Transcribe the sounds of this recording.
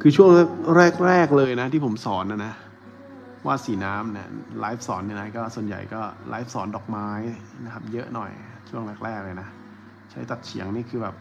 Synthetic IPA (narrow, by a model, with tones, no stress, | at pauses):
kʰɯː˧t͡ɕʰu˥˩əŋlɛ˥˩k̚ɾɛː˥˩k̚ɾɛː˥˩k̚lɤː˧jna˦˥t̪ʰiː˥˩pʰo˩˦msɔː˩˦nʔa˧˩na˦˥ | waː˥˩siː˩˦naː˦˥mnḭ˦˥˩laː˦˥jp̚sɔː˩˦nːi˧˩na˦˥kɔː˥˩su˨˩ənja̰˨˩jkɔː˥˩lʔa̰ː˦˥f̚sɔː˩˦ndɔː˨˩k̚maː˦˥jna˦˥kʰa˦˥p̚jɤ˦˥ʔnɔ˨˩j | t͡ɕʰu˥˩əŋlɛː˥˩k̚ɾɛː˥˩k̚lɤː˧˩jna˦˥ | t͡ɕʰa˦˥jt̪a˨˩t̪̚t͡ɕʰḭ˩˦əŋniː˥˩kʰɯː˧˩bɛː˨˩p̚